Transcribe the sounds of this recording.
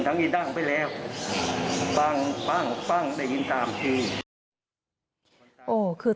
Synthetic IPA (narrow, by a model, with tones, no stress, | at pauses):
nt̪ʰa˦˥ŋʔiː˧˩da˧˩ŋpa˧˩jlɛː˦˥˩w | pa˧˩ŋpa˧˥˩ŋpa˥˩˨ŋda˥˩jːi˧˥nt̪aː˨˧mt̪ʰiː˧˩ | ʔoː˧˩kʰɯː˧